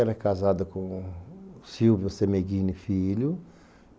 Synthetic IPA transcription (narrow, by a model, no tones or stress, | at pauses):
ɛɾɐkazad̪ɐkõ | siwvijʊsemeɡĩnifilʊ